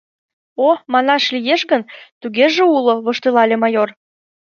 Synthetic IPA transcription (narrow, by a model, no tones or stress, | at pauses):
omɑnɑʃlijeʃɣənt̪uɣeʒeuloβəʃt̪elɑlʲemɑjor